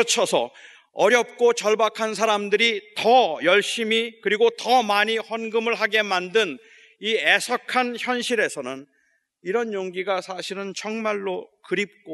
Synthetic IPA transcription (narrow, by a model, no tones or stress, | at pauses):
ʌt͡ɕʰʌsʰʌ | ʌɾjʌp̚k͈ot͡ɕʌɭbakʰansʰaɾamdɯɾitʌjʌɭɕ͈imikɯɾiɡotʌmaɲihwʌnɡɯmɯɭɦaɡe̞mandɯn | ie̞sʰʌkʰançjʌnɕʰiɾe̞sʰʌnɯn | iɾʌnjoŋɡiɡasʰaɕʰiɾɯnt͡ɕʌŋmaɭːokɯɾip̚k͈o